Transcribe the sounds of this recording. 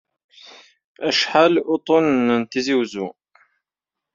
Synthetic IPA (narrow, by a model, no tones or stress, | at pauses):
æʃħalʊt̪ˤonənt̪iziwzu